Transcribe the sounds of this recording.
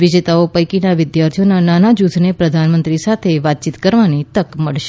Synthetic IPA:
ʋɪd͡ʒet̪aopəjkinaʋɪd̪jaɾt̪ʰijonananad͡ʒut̪ʰnepɾəd̪ʱanmənt̪ɾisat̪ʰeʋat̪̚t͡ʃit̪kəɾʋanit̪əkməɭʃe̥

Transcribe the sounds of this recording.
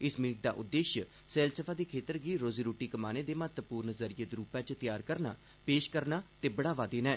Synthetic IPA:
ɪsmiːk̚d̪a̰ːʔʊd̪ːeːʃə | sɛːlsəpʰaːd̪eːkʰeːt̪əɾɡiːɾoːziːɾuːʈiːkəmaːneːd̪eːmət̪əpuːɾnzəɾijəd̪ɾuːpɛ̃ːt͡ʃt̪ɪjaːɾkəɾna̰ː | peːʃkəɾnaːt̪eːbəɽaːʋaːd̪eːnɛː

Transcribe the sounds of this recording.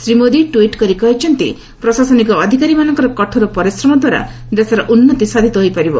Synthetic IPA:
sɾimoɾiʈuiʈkɔɾikɔɦet͡ʃʰɔnt̪ḭ | pɾɔsasɔnikɔːd̪ʱikaɾimanɔŋkɔɾɔkɔʈʰɔɾupɔɾisɾɔmɔd̪waɾa̰ | d̪esaɾɔʔunːɔt̪isad̪ʱit̪ɔɦojpaɾibɔ

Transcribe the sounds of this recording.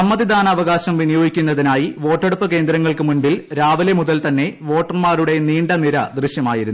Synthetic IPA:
ɐmːɐðid̪ʱaːnɐːʋɐɣaːɕɐmʋinijoːɡikʲːunːɐðinaːjiʋo̞ːʈːeɽupːɨke̞ːnd̪ɾɐŋːɐɭkɨmunbilɾaːʋɐlemuðɐlt̪ɐnːe̞ʋo̞ːʈːɐnmaːɾuɽe̞niːɳɖɐniɾɐd̪riɕjɐmaːjiɾunː

